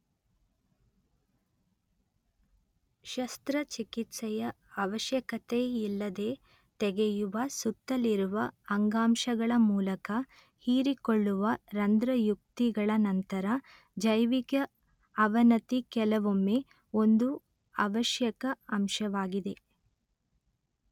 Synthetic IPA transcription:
ʃɐst̪ɾɐt͡ʃikit̪sɛjɐː | ʋɐʃjɐkɐt̪eilːɐd̪e̞ː | t̪ɛɡejuʋɐsut̪ːɐliɾuʋɐɐŋɡaːmʃɐɡɐɭɐmuːlɐkɐ | hiːɾikoɭːuʋɐɾɐnd̪ɾɐjuk̚t̪iɡɐɭɐnɐnt̪ɐɾɐ | d͡ʒɐjʋikɐ | ɐʋɐnɐt̪ikɛlɐʋomːe | o̞nd̪u | ɐʋɐʃjɐkɐɐmʃɐʋaːɡid̪e̞

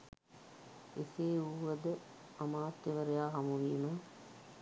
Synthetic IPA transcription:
eseːuːʋəd̪ə | amaːt̪ːeʋəɾejaːɦɐmuʋiːmə

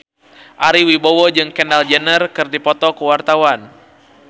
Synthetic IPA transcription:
ʔaɾiwibɔwɔd͡ʒɨŋkɛndald͡ʒənərkɨrdipɔt̪ɔkəwart̪awan

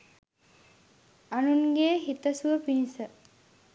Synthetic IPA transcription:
anunɡeːɦit̪əsuʋəpinisə

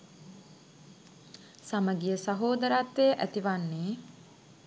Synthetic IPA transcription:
saməɡijəsɐɦoːd̪əɾaːt̪ʋejʔæt̪iʋanːeː

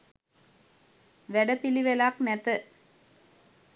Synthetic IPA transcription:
ʋɛɽɐpiliʋɛlaːknɛt̪ːɐ

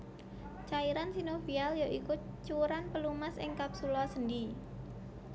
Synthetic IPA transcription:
t͡ʃaiɾansinofialjoʔikut͡ʃuɾanpəlumasɪŋkap̚sulɔsəndi

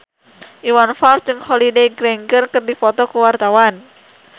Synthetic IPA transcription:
ʔiwanfalsd͡ʒɨŋhɔlidejɡɾɛŋɡərkɨrdifɔt̪ɔkəwart̪awan

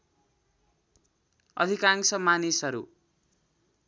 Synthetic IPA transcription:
ʌ̰d̪ʱikaŋsʌmanisɦʌɾṵ

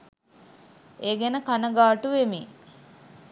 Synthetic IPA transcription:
eːɡenəkanəɡaːʈuʋemi

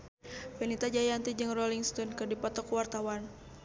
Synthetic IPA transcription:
fenit̪ad͡ʒajant̪id͡ʒɨŋrɔliŋst̪ɔnkɨrdipɔt̪ɔkuwart̪awan

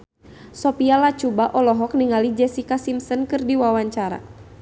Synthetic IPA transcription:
sɔpialat͡ʃubaʔɔlɔɦɔk̚niŋalid͡ʒɛsikasimsənkɨrdiwawaɲt͡ʃaɾa̰

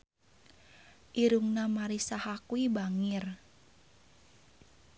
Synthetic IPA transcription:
ʔiɾuŋnamaɾisahakuibaŋir

